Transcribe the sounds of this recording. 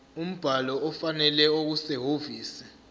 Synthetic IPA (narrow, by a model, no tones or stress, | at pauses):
um̩b̥ʱalɔɔfanɛlɛok̬usɛɦoviːsi̥